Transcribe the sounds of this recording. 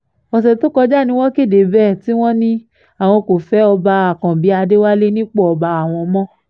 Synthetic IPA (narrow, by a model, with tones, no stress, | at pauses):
ɔ˨s̬ɛ˨to˦kɔ˧d͡ʒa˦˨nĩ˧˦w̃ɔ̃˦ke˦˨de˨bɛː˦˨ti˨˦w̃ɔ̃˦nĩ˦ | a˨w̃ɔ̃˧ko˨fɛ˨˦ɔ˧ba˧a˨kã˨bi˨˦a˧de˦wa˦le˦nĩ˦k͡pɔ˦ɔ˧ba˧a˨w̃ɔ̃˧mɔ̃˦